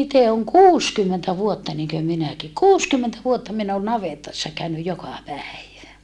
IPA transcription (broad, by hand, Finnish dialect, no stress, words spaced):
ite oŋ kuːskymːentæ ʋuotːɑ niŋkø minæki kuːskymːentæ ʋuotːɑ min on nɑʋetɑsːɑ kæynyj jokɑ pæiʋæ